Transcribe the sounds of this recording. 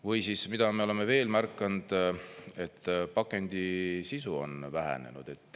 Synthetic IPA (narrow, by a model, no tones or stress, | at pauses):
vɤjsismid̪̥ɑmeo̞le̞meve̞ːlmærkːˑɑnd̪̥e̞t̪ˑːpɑkːˑe̞nʲd̪̥isisuo̞̰nvæɦæ̰ne̞̰nṵd̪̥e̞t̪ːˑ